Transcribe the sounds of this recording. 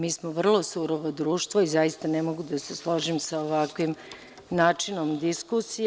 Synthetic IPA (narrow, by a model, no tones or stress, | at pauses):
miːsmoʋr̩lˠo̞suɾoʋod̪ɾuːʃt̪ʋoizajist̪anemo̞ɡud̪aseslˠoʒimsaoʋakʋim | naːt͡ʂino̞md̪iskusi